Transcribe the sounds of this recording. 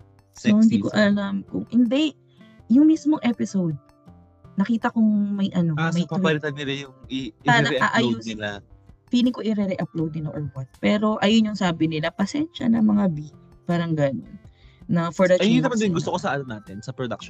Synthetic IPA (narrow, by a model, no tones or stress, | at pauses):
sohɪnd̪iːkoʔɐlamkʊŋhɪnd̪ɛ | jʊŋmismoŋʔɛpɪsowd̪̚ | nɐkiːt̪ɐkʊŋmɐjʔɐno̞mɐjbɐlɪt̪ɐd̪̚nɪlajʊŋiʔaɾɐʔaʔajoɪlafiːlɪŋkoʔɪɾɛɾɛʔɐplowd̪̚nɪloʔoɹwɐt̪̚pɛːɾo̞ʔɐjonjʊŋsaːbɪnɪlapɐsɛnʃɐ̰nɐmɐŋabi | b̥ɐɾɐŋɡɐnonnɐfɔɹd̪ɐkit̪ɐmɐnd̪ɪɡʊst̪okosɐʔanɐnaːt̪ɪnsɐpɾod̪ɐk̚ʃ